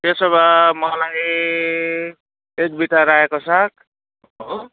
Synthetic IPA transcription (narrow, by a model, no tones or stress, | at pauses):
tesʌβamʌlaj | ek̚biʈaɾaɦekosak̚ | o